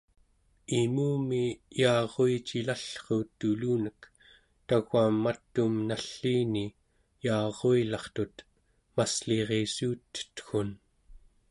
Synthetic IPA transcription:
imuːmijɑːʁoit͡ʃilaɬχoːt̪ːuluːnək | t̪aɣamːat̪ːumnaɬːiːni | jɑːʁoilɑχt̪ut̪ | masleʁesuːt̪ːə̥t̪xun

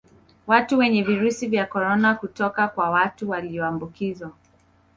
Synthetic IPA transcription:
watuwɛɲɛviɾusivjakɔɾɔnakutɔkakwawatuwaliɔambukizwa

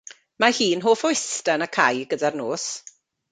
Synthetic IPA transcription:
mahiːnɦoːfɔɪstənəkʰajɡədarnoːs

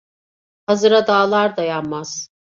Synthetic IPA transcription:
hazɯɾad̪aːlˠaɾd̪ajanmaz̥

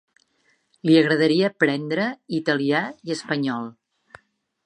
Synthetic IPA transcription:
liəɣɾəðəɾiəpɾɛnd̪ɾəit̪əliaiəspəɲɔlˠ

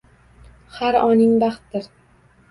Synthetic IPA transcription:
haɾɒnɪŋbaχt̪̚d̪ɪɾ

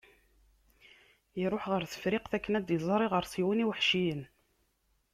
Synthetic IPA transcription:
iɾˤoħʁəɾθə̥fɾɪqθækːənæd̪jəzˤɾˤiʁəɾsˤiwiniwħʃijən

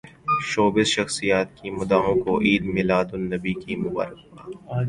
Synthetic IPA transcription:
ʃoːbɪzʃɐxsijaːt̪̚kimʊd̪aːɦõkoʔiːd̪mɪlaːd̪ʊnːɐbikimʊba̰ːɾɪkːaː

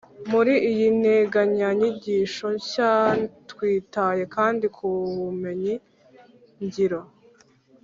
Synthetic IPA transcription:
muɾiijin̥heɡaɲaɲiɟiːʃo̞ɲcatwiːtaje̞kaːndikʰuβume̞ɲi | ɲɟiɾo

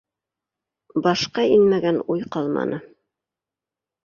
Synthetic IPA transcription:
bɑʃqɑinmæɡænujqɑlˠmɑ̰nʔɤ

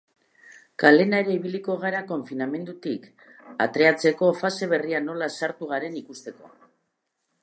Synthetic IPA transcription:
kale̞naeɾeiβiliko̞ɣ̞aɾako̞ɱfiname̞nd̪ut̪ik | a̰t̪ɾe̞at͡se̞ko̞fase̞β̞e̞riano̞lasaɾt̪uɣ̞aɾe̞nikust̪e̞ko̞̰

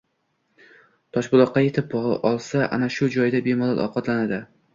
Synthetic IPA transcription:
t̪ʰɒʃbʊlˠɒqʰːɑje̞t̪ʰɪp̚bɒʁɨʔɒlˠsaʔa̰naʃʊd͡ʒɒjd̪abe̞mɒlˠa̰lʔɒ̰qɒt̪lanad̪ɪ

